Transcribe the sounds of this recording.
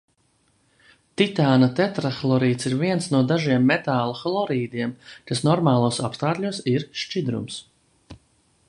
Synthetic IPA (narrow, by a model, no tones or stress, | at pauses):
t̪it̪aːnat̪ɛt̪ɾaxlˠɔɾiːt̪siɾviɛnsnuɔd̪aʒiɛmːet̪aːlˠuxlˠɔɾiːd̪ʲiɛmkasnɔɾmaːlˠuɔsapst̪aːt̪ʎʲusiɾʃt͡ʃid̪ɾṵms